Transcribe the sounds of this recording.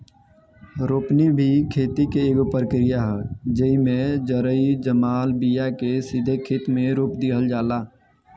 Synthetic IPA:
ɾoːpnibʱikʰeːt̪ikeeːɡopəɾəkɾijaɦɛːd͡ʒəimẽd͡ʒəɾəid͡ʒəmaːlbijakesɪd̪ʱekʰɪt̪mẽɾuːpd̪iɦəld͡ʒaːlaː

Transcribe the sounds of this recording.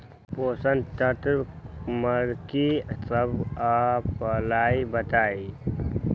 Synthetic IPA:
poːsənt̪ət̪ɾməɾkisəbapəlaːibət̪aːi

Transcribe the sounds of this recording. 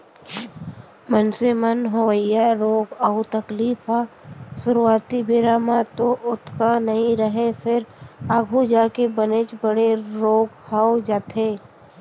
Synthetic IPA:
mənsemənɦoʋəjaɾoːɡəʊt̪əkliːfʰasʊɾuaːt̪ibɪɾaːmãt̪oʔʊt̪ʰkanɐɦĩɾəɦefʰɪɾaːɡʱud͡ʒaːkebənet͡ʃbəɽeɾoːɡhaːod͡ʒaːt̪ʰeː

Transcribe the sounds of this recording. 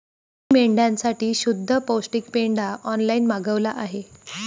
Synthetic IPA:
meɳɖjãnsaʈiːɕud̪ʱːəposʈik̚peɳɖaʔɔnlainmaɡəʋlaʔaɦe

